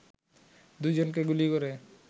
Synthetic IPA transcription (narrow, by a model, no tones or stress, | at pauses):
d̪ujd͡ʑonk̬eɡulikoɾe